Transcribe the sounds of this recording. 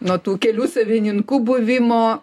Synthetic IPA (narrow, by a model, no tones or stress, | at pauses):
noːt̪uːkʲɛlʲuːsɐʋʲɪnʲɪŋkuːbʊʋʲɪmoː